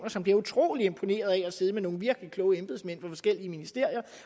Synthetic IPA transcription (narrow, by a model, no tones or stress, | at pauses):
nɐsɒ̽mb̥liɐut͡sʰʁo̝̰ːlie̝mpʰo̝ne̝̰ːɐð̞ˠæɒ̽se̝ːð̞ˠmeno̝ːŋ̩ʋiɐɡ̥əlikʰlɔ̽ʊəemb̥eð̩ˠsmen̰fɑ̈fɒ̽sɡ̥el̰iəminisd̥e̝ɐ̰ijɐ